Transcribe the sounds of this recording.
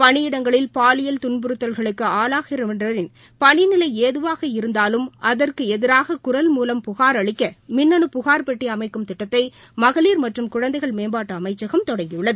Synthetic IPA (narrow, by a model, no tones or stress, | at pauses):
pɐɳɪjɪɽɐŋɡɐɭɪlpaːlɪjɐlt̪ʊɳbɯɾɯt̪ːɐlɣɐɭɯkːɯaːlaːɣɪɾɐmndrɐɾɪn | pɐɳɪnɪlɐɪeːðɯʋaːɣɐɪɾɯnd̪aːlɯmʔɐðɐrkɯɛðɪɾaːɣɐkʊɾɐlmuːlɐmpʊɣaːɾɐɭɪkːɐmɪnːɐɳɯpʊɣaːɾpɛʈːiɐmɐɪkːɯmt̪ɪʈːɐt̪ːɐɪ | mɐɣɐliːɾmɐʈrɯmkʊɻɐnd̪ɐɪɣɐɭmeːmbaːʈːɐːmɐɪt͡ʃːɐɣɐmt̪ɔɽɐŋɡɪjɯɭːɐðɯ